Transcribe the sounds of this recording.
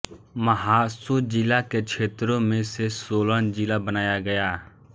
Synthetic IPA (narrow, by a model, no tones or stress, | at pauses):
məɦaːsuːd͡ʒilaːket͡ʃʰeːt̪ɾõmẽsesoːlənd͡ʒilabənaːjaɡɐjaː